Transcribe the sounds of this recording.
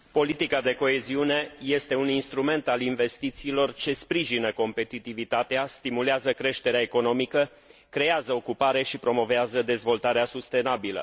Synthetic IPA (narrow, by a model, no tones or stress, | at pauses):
po̞lit̪ikad̪e̞ko̞e̞ziune̞je̞st̪e̞uninst̪ɾume̞nt̪alinve̞st̪it̪siːlo̞rt͡ʃe̞spɾiʒinəko̞mpe̞t̪it̪ivit̪at̪east̪imuleazəkɾe̞ʃt̪e̞ɾeaeko̞no̞mikə | kɾe̞azəo̞kupaɾe̞ʃipɾo̞mo̞veazəd̪e̞zvo̞lt̪aɾeasust̪e̞nabilə̰